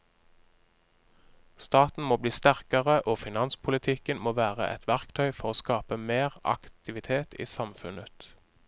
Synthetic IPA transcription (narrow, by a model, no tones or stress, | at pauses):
st̪ɑːt̪n̩moːbliːst̪æʁkəʁəʔoːfɪnɑnspʰʊlɪt̪ʰɪkənmoːʋæːʁə̰ʔɛ̰t̪ʰʋæʁkt̪ʰœʏfɔʁoːskɑːpəmeːʁɑ̰kt̪ɪʋɪt̪ʰeːt̪ʰḭːsɑmfʉnət̪